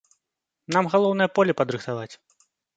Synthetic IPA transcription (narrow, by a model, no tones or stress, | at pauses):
namɣalˠɔwnɨjɐpɔlʲɛpɐd̪ɾɨxt̪avat͡sʲ